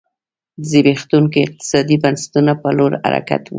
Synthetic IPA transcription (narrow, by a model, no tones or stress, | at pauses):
zebext̪uŋkiɪq̚t̪ɪ̥sɑd̪ibansḁt̪unapaloɾha̰ɾa̰ka̰t̪wṵ